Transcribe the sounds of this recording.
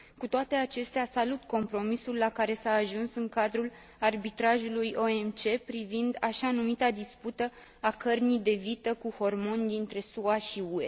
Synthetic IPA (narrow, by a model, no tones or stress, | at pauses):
kut̪oat̪e̞at͡ʃe̞st̪easalut̪ko̞mpɾo̞misulːakaɾe̞saːʒunsɨŋkad̪ɾul | arbit̪ɾaʒulujo̞e̞mt͡ʃe̞pɾivind̪aʃanumit̪ad̪isput̪ə | akərnijd̪e̞vit̪əkuho̞rmo̞nʲd̪int̪ɾe̞suaʃiue̞